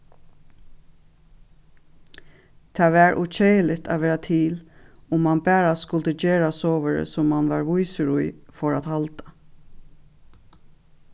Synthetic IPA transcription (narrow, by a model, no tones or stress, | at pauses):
t̪ʰɑːʋæɹʔut͡ʃejlɪt̪a̰ʋeːɹat̪ʰɪlʊmːanbæːɹaskʊlt̪əd͡ʒeːɹasoːʋəɾə̰sɔmːanʋaɹʋujsɾujfɔɹat̪halt̪ḁ